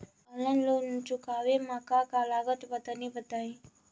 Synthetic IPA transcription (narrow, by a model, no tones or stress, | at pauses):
ələnlont͡ʃukaʋemãkakalaɡət̪bət̪ənibət̪aj